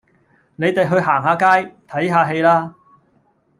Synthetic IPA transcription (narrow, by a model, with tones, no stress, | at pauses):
ne˨˧jt̪e˨jɦɵ˧ɥɦaː˨˩ŋhaː˨˧kaː˥jt̪ʰɐ˨˥jɦaː˨˧ɦe˧jlaː˥